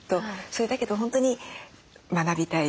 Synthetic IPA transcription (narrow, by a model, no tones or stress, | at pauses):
t̪o̞so̞ɾe̞d̪ake̞d̪o̞ɦõ̞nt̪o̞ɲ̟i | manabʲit̪ai